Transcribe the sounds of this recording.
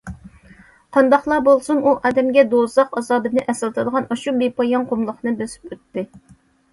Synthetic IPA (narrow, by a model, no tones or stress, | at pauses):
qʰɑnd̪ɑχlˠɑbolˠsunuʔɑːd̪ɛmɡʲɛd̪ozˠɑqɑzɑːd̪ɨnɨʔɛsɪlt̪ʰɨd̪əʁɑnɑʃubepʰɑjɑŋqʰomlˠʊχnɨbøsy̥pøt̪ːɪ